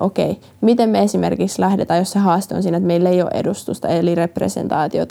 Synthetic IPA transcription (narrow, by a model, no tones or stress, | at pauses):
ʔokḛi | mit̪emmeesimerkikslæhdet̪æːjosseɦɑːst̪eo̰nsiːnæet̪meilːejo̰ːʔḛdust̪ust̪ɑ̰elireprḛsḛnt̪ɑːt̪io̰t̪